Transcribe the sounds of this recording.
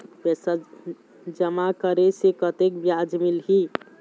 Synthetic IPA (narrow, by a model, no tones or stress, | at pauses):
bɛsa | d͡ʒəmakəɾesekət̪ek̚bjad͡ʒmilɦi